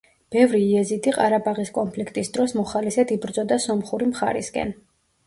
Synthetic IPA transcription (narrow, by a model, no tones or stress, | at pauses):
b̥ɛvɾiːɛzit̪ʰiqʼaɾabaʁiskʼɔnpʰlikʰt̪ʼisd̪ɾɔsmɔχalisɛd̪ibɾd̪zɔd̪asɔmχuɾimχa̰ɾḭskʼɛ̰n